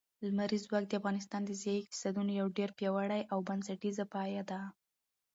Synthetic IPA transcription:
lmaɾizwɑk̚d̪əafɣɑnɪs̬t̪ɑnd̪əzjɑjiki̥sad̪unojawɖeɾpjɑwaɽajʔawbansaʈizapɑjad̪a

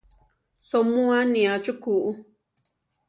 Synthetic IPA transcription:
somũãnĩat͡ʃukuʔu

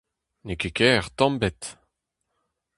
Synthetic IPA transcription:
nekekɛːʁt̪ɑ̃mbɛt̪

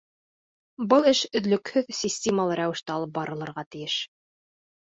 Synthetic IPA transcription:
bɤlˠɘʃɵ̆ðlɵ̆khɵðsʲisʲtʲeməlˠɤɾæwɘ̆ʃt̪ɘɑlˠɤp̚bɑɾʔɤ̆lˠɤ̆ɾʁɑt̪ɘ̆jɘʃ

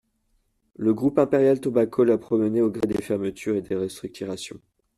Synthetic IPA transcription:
ləɡʁupɛ̃peʁjalt̪ɔbakʰolapχɔməneoɡʁed̪efɛʁmət̪ʰyʁed̪eʁɛst̪χyk̚t̪yʁasjɔ̰̃

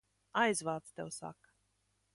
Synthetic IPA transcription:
ajzvaːt̪st̪ewsa̰k

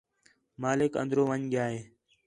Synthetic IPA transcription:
maːlɪkə̰̃nd̪ɾoːʋəɲɡjaːɦeː

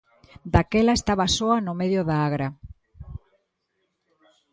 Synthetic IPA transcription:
d̪akɛlaest̪aβasoanʊmeðjʊðaaɣɾa

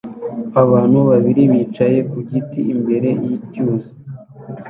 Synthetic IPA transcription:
aβaːn̥huβaβiɾiβiːt͡ʃaje̞kuɟitiːmbe̞ɾe̞jicuːza

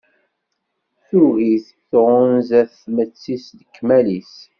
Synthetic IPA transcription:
θuɣiθ | θʁənzæθmət͡sːisðəkːmælis

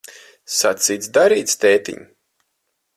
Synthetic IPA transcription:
sat̪siːt̪sd̪aɾiːt̪st̪eːt̪ḭɲ

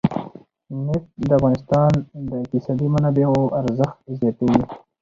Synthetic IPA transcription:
nɪʈ̚d̪əafɣɑːnɪst̪ɑːnd̪əɪk̚t̪ɪsɑːd̪imanabeoʔaɾzəxt̪̚zjat̪eɡi

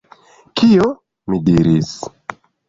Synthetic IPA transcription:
kʰio | midiɾis

